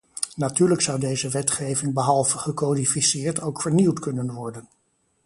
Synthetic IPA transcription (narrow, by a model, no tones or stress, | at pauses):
natyːɹləksʌwdejzəʋɛtχejvɪŋbəɦɑlˠvəχəkodifisɪːɹtowkfəɹniwtkɵnənʋɔɹdən